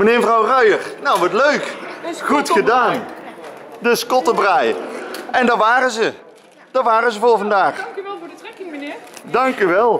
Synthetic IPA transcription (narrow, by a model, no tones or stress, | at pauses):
mənɪːməvrɑwrœjərnawʋɑtløɥkχutxədaːn | dəskɔtəbrajɛndɑɹʋaːɾənzə | d̥ɑɹʋaːrəzəvʊːɹvɑndaːχ | dɑŋkyʋɛlˠ